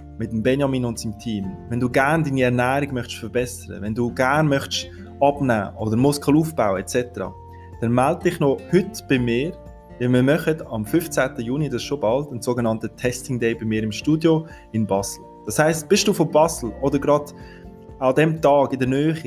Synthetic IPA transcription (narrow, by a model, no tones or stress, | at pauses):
mɪtəmbɛnjɑmiːnʊntsimtʰiːmvɛnduːɡæɾndiːniɛɾnæːɾiɡmœχʃfəɾbɛsəɾə̰vɛnduːɡæɾnmœχʃ | ɑb̥næ̰ːodəɾmʊskəl̩uːfb̥aʊəɛt͡sɛtəɾɑ̰ | d̥ɛnmɛld̚d̥ɪχnohʏtb̥ɪmɪːɾ | dɪlmɪːmœχədɑmfʏft͡sæːtəjuːnidɑsʃobɑldənsoːɡənɑntətʰɛstɪŋdɛɪbɪmɪːɾɪmʃtuːdjo | ɪnbɑsl̩ | d̥ɑshaɪstb̥ɪʃd̥uːfobɑsl̩odəɾɡɾɑd | adɛmtɑːɡɪndənœːχi